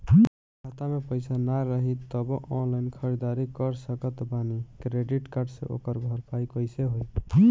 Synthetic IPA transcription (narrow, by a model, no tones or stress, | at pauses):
kʰat̪amepəjsanaɾəɦit̪ːəbɔʔɔnlajnkʰəɾid̪aɾikəɾsəkət̪banikɾeɖiʈkaɾɖsḛʔo̰kəɾbʱəɾpajkəjseɦoj